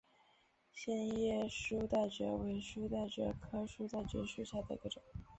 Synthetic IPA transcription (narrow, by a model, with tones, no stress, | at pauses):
ɕjɛ˥˧njɛ˥˩ʂu˥t̪a˥˩ɪʈ͡ʂɥɤ̰˧˥we˧˥ɪʂu˥t̪a˥˩ɪʈ͡ʂɤ̰˧˥kʰɤ˥ʂu˥t͡s̪a˥˩ɪt͡ɕɥɛ̰˧˥ʂu˥˩ɕja˥˩d̪ə˩ḭ˧˥ɡə˧ʈ͡ʂʊ˨˩˦ŋ